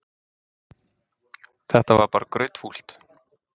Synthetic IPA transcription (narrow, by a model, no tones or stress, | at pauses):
θɛht̪avaɾpaːɾakɾʏɥt̪ful̥t̪